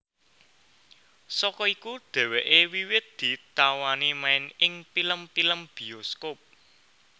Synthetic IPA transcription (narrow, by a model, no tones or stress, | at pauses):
sɔkɔikud̪̥ɛ̤weʔewiwɪt̪̚d̪̥i̤t̪awanimaɪnɪŋpiləmpiləmb̥i̤oskop̚